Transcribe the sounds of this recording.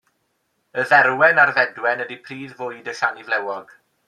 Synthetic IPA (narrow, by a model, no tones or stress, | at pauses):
əðɛrwɛnarðɛdwɛnədipʰriːðvʊɨdəɬanivlɛwɔɡ̥